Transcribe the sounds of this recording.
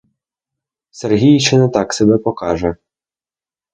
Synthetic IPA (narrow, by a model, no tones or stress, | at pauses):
sɛrɦʲijit͡ʃɪnɛt̪ɑksɛbɛpɔkɑʒɛ